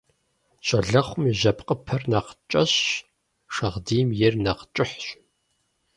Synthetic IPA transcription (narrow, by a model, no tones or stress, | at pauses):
ɕʼɐɮɐχʷʊmiʒɐpqʼəpʰɐrnɐqt͡ʃʼɐɕ | ʂɐʁdiːmjɪrnɐqt͡ʃʼɪħɕ